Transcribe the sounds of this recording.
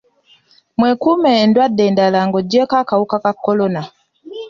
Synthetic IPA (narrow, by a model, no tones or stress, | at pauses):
mwɛkumɛndwadɛndalaŋɡɔd͡ʒɔkakaukakakːɔlɔna